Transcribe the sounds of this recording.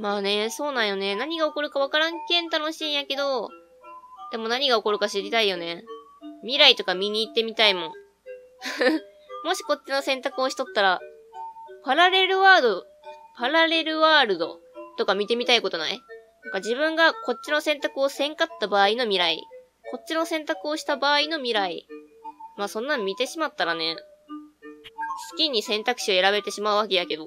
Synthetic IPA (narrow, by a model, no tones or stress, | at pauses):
maːne̞so̞ːnãɰ̃jo̞ne̞naɲ̟iɡaoko̞ɾɯ̟kaβ̞akaɾãŋkẽ̞nt̪ano̞ɕĩːɰ̃jake̞d̪o̞ | d̪̥e̞mo̞naɲ̟iɡaoko̞ɾɯ̟kaɕiɾʲit̪aijo̞ne̞ | mʲiɾait̪o̞kamʲiɲ̟iːt̪ːe̞mʲit̪aimõ̞ŋ | mo̞ɕi̥ko̞t͡ɕːino̞sẽ̞nt̪akɯo̞ɕi̥t̪o̞t̪ːaɾa | paɾaɾe̞ɾɯ̟βaːd̪o̞ | paɾaɾe̞ɾɯ̟βaːɾɯ̟d̪o̞t̪o̞kamʲit̪e̞mʲit̪aiko̞t̪o̞nainãŋkad͡ʑibɯ̟̃ŋɡako̞t̚t͡ɕːino̞sẽ̞nt̪akɯ̟o̞sẽ̞ŋkat̪ːabaːino̞mʲiɾaḭ | ko̞t̚t͡ɕːino̞sẽ̞nt̪akɯ̟o̞ɕi̥t̪abaːino̞mʲiɾai | maːsõ̞nːãmmʲːit̪e̞ɕimat̪ːaɾane̞ | sɨ̥kʲiɲ̟ːisẽ̞nt̪akɯ̟̥ɕio̞e̞ɾaβe̞t̪e̞ɕimaɯ̟βake̞jake̞d̪o̞